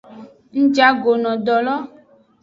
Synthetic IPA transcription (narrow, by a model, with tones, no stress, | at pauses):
ŋ̩̃˦d͡ʒa˦ɡo˨nɔ̃˨dɔ˨lɔ˦